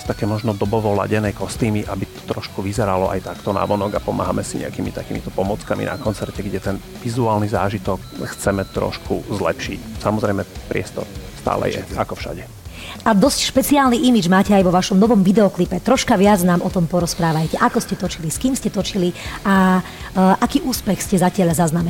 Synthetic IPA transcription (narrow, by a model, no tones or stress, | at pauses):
st̪akɛːmɔʒnɔd̪ɔbɔʋɔla̰ɟɛnɛjkɔst̪iːmiʔabit̪ɔ̥t̪ɾɔʃkuʋizɛɾalɔʔa̰jt̪akt̪ɔna̰ʋɔnɔɡapɔma̰ːɦamɛsiɲɛ̰akiːmit̪akiːmḭt̪ɔpɔmɔt͡skamḭna̰kɔnt͡sɛɾcɛɡɟɛt̪ɛn | ʋizuaːlniza̰ːʒit̪ɔkxt͡sɛmɛt̪ɾɔ̰ʃkʰṵzlɛ̰pʃicsamɔzɾɛjmɛpɾɪɛst̪ɔ̰ɾst̪a̰ːlɛ̰jɛ̰akɔfʃa̰ɟɛ | ʔad̪ɔscʃpɛt͡siaːlniʔimid͡ʒmaːcɛajʋɔʋaʃɔmnɔʋɔmʋid̪ɛɔklipɛt̪ɾɔʃkaʋɪad͡znaːmʔɔt̪ɔmpɔɾɔspɾaːʋajcɛʔakɔscɛt̪ɔt͡ʃiliskiːmscɛt̪ɔt͡ʃilia | ʔakiːʔuːspɛxscɛzacɪaʎazaznamɛ